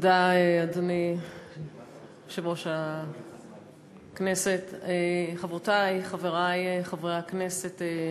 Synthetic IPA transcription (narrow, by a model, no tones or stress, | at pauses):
daeadoni | ʃevoʃa | kneset̪eχavʁotajχaveʁajeχavʁejaknesete